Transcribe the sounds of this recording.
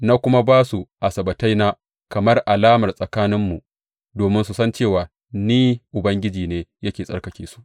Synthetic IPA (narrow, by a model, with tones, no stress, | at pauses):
na˦kʷʊ˦ma˦baː˦su˨ʔa˨sɐ˨bɐ˨ta˦jna˦ | kɐ˨mɐ˦rʔa˨laː˦mɐ˨rsʼɐ˨kaː˦nɪ˦mːu˨ | doː˨mɪ˦nsu˨sɐ˦nt͡ʃeː˦˨waː˨ | niː˦ʔʊ˨bɐ˦ŋɡʲɪ˦d͡ʒiː˨neː˦jɐ˦kʲeː˨sʼɐ̰˦rkɐ˦kʲeː˨su̥˦ʔ